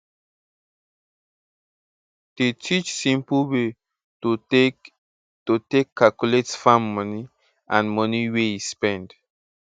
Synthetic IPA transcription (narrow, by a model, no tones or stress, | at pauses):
d̥etʰit͡ʃsĩmpuwe | totekʰːalkuletsfãmːɔni | ʔãnmɔniwejispɛ̃nd